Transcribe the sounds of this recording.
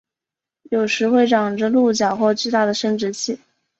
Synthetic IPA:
jo˨˩ʊʂɻ̩˧˥xwe˥˩ɪʈ͡ʂɑ˨˩ŋʈ͡ʂə˧lu˥˩t͡ɕjɑ˨˩ʊxwɔ˥˧t͡ɕy˥˧t̪a˥˩d̪ə˩ʂə˥ŋʈ͡ʂɻ̩˧˥t͡ɕʰi˥˩

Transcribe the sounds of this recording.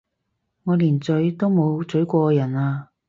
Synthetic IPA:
ŋɔː˨˧liː˨˩nt͡sɵ˨˥ɥt̪o˥wmo˨˧wt͡sɵ˨˥ɥkʷɔː˧jɐ˨˩naː˧

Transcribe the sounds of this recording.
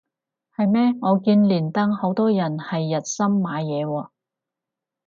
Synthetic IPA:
hɐ˨jmɛː˥ŋɔː˨˧kiː˧nliː˨˩nt̪ɐ˥ŋho˨˥wt̪ɔː˥jɐ˨˩nhɐ˨jːɐ˨t̚sɐ˥mːaː˨˧jɛː˨˧wɔː˧

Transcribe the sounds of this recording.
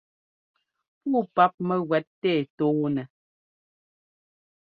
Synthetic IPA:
puː˦˨pa˦p̚mɛ˦ɣwɛ˦tːɛ˦˨toː˨˦nɛ˨

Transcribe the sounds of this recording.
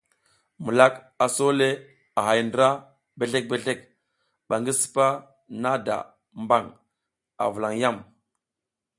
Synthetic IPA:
mu˨la˦k | a˨so˦le˦ | a˨ɦa˨jndə˨ɾa˦ | be˨ɬe˦k̚be˨ɬe˦k | ɓa˨ŋɡi˦si̥˨pa˦ | na˦da̰˨ | mba˦˨ŋ | a̰˨vu˨la˨ŋja˦˨m

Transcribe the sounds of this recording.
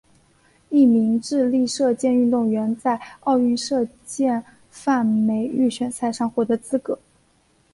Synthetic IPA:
i˥˩mi˧˥ŋʈ͡ʂɻ̩˥˧li˥˧ʂɤ˥˧t͡ɕjɛ˥˧ny˥˧nt̪ʊ˥˩ŋɥɛ˧˥nt͡sa˥˧ɪɑ˥˧ʊy˥˧nʂɤ˥˧ | t͡ɕjɛ˥˧n | fa˥˩nme˧˥ɪy˥˩ɕʰɥɛ˧˩nsʰa˥˩ɪʂɑ˥˧ŋxwɔ˧˥˩d̪ə˧˥t͡sɹ̩˥kɤ˧˥˦

